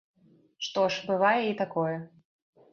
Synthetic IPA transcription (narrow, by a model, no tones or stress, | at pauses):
ʂt̪ɔʂbɨvajɛit̪akɔjɛ